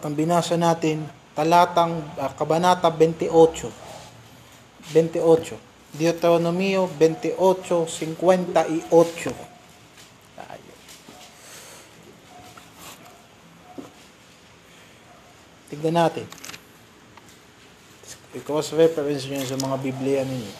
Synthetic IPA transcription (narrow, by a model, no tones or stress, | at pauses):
t̪ɐŋbɪnaːsɐnaːt̪ɪnt̪ɐlaːt̪ɐŋɐkɐbɐnaːt̪ɐbɛnt̪ɪʔot͡ʃo | bɛnt̪ɪʔot͡ʃo | d̪ɪot̪oonomiobɛnt̪ɪʔot͡ʃosɪŋkwɛnt̪ɐʔɪʔot͡ʃo | t̪a̰ʔa̰jo̰ | t̪ɪɡ̚nɐnaːt̪ɪn | ɪkowasɾɛpɛɾɛns̬ans̬ɐmɐŋabiblɛjɐnɪɲo